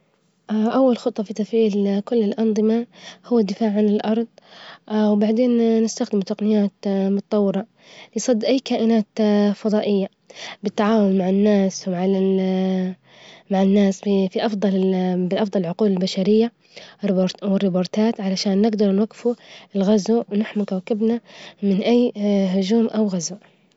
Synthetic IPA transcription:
ʔaʔawːalxʊt̪ˤːɑfit̪afʕiːlkʊlːɪlʔɑnd̪ˤɨmahʊwːad̪ːɪfaːʕʕanɪlʔɑɾˤðˤ | wbaʕd̪eːnːɪst̪axd̪ɪmut̪aqnɪjaːt̪mʊt̪ɑt̪ˤɑwːɪɾɑ | lɪjsˤɑd̪ːʔajːkaːʔɪnaːt̪fɑðˤɑːʔɪjːa | bɪt̪ːaʕaːwʊlmaʕɪnːaːswmaʕa | maʕɪnːaːsfifiʔɑfd̪ˤɑlbɪʔɑfd̪ˤɑlʕʊquːlɪlbaʃaɾɪjːa | bɾwɪrːɪboːɾˤt̪aːt̪ʕalaʃaːnːɪɡd̪ɑɾˤnwaɡːɪfuɪlɣazuwnaħmʊkawkɪbnamɪnʔajːɦʊd͡ʒuːmʔawɣazuʔ

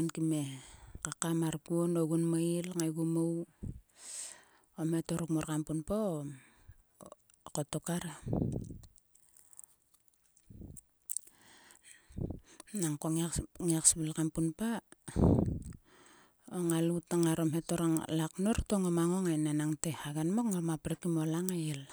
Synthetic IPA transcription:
nkime̞kakamaɾkuonoɡunmailŋajɡumow | omhe̞to̞ɾukmoɾkampunpaom | kotokaɾa | naŋkoŋŋiaksbilkampunpa | oŋalutaŋaɾomhe̞toɾaŋlaknoɾtoŋomaŋoŋajnanaŋtehaɡanmokŋamapɾekimolaŋajil

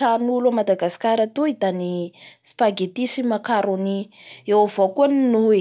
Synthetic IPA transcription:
anulamad̪aɡasi̥kaɾat̪uid̪anispaɡet̪isimakaɾoniewavokuəninue

